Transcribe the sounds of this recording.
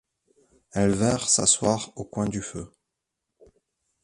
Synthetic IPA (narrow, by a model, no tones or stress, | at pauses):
ɛlvɛʁsa̰swaʁokwɛ̃d̪yfø̰